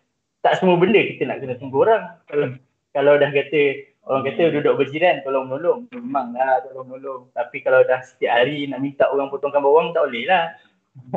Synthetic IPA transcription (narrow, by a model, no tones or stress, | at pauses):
t̪aʔsəmuəbəndəkit̪əna̰ʔkənət̪uŋɡuɦoɾaŋ | kalawdahkat̪ə | oɾaŋkat̪ədudʊʔ̚bərd͡ʒiɾank̪oloŋmənulʊŋmemãŋlaht̪olɔŋmənulʊŋt̪apikalawdahsə̥t̪iaʔɦaɾinaʔmint̪aʔoɣaŋpot̪ɔŋkanbawaŋt̪aʔolɛhlah